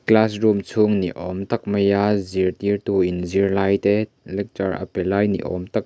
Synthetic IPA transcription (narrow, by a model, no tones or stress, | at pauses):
klasrumt͡sʰuŋnḭʔɔmt̪ɐk̚mɐjaːzirt̪irt̪uʔinzirlajt̪ɛ | lɛk̚tɐrɐ̰pɛlajnḭʔɔ̰mt̪ɐk̚